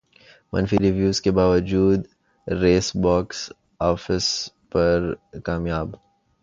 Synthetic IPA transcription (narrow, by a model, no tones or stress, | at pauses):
mɐ̰̃nfiɾiʋjuːzkebaːʋəd͡ʒuːd̪ | ɾeːsbaːks | aːfɪs | pɐɾkaːmjaːb